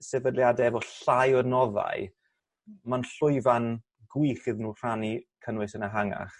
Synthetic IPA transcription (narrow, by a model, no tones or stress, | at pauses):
sɛvədljadɛvɔɬajɔnɔða̰ɨ | manɬʊɨvan | ɡwiχɨðnuːr̥anikʰənwɨsənaɦaŋa̰χ